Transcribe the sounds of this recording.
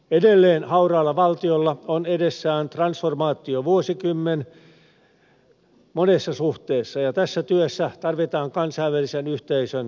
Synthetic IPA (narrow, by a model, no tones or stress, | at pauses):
edelːeːnhɑurɑːlːɑʋɑlt̪iolːɑonedesːæːnt̪rɑnsformɑːt̪ːˑioʋuosikymːen | monesːɑsuht̪eːsːɑjɑt̪æsːæt̪yøsːæt̪ɑrʋit̪ɑːŋkɑnsɑiʋʋælisenyht̪eisøn